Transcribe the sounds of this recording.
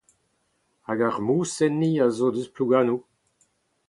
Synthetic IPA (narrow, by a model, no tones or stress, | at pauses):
aɡaʁmuːsɛnːiazoːdøspluɡaːnu